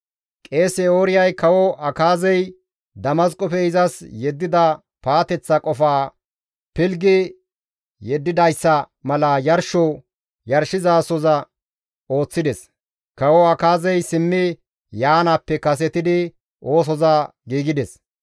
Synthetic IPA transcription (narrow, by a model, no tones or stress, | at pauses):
kʼe̞ːsɛoːɾɪjɐjkɐwɔʔɐkaːzɛj | d̪ɐmɐskʼɔfɛɪzɐsjɛd̪ːɪd̪ɐ | paːt̪ɛt͡sːɐkʼɔfaː | pɪlɡɪ | jɛd̪ːɪd̪ɐjsːɐ | mɐlɐjɐɾʃɔ | jɐɾʃɪzaːsɔzɐ | o̞ːt͡sːɪd̪ɛs | kɐwɔɐkaːzɛjsɪmːɪ | jaːnapːɛkɐs̬ɛt̪ɪd̪ɪ | ʔo̞ːs̬ɔzɐ | ɡiːɡɪd̪ɛs